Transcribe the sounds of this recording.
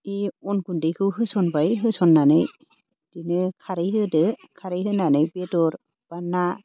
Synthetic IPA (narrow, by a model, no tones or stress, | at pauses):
iɔnkundejkʰɯwɦɯsɔnbajɦɯsɔnːanɯj | d̥inɯkʰaɾɯjɦɯdɯkʰaɾɯjɦɯnanɯjbetɔɾ | b̥anːa